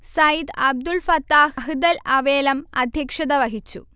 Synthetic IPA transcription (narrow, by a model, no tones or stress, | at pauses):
sɐjid̪ɐb̚d̪ulfɐt̪ːaːɦɦɨd̪ɐlɐʋeːlɐmɐd̪ʱjɐkʂɐðɐʋɐɦit͡ɕːṵ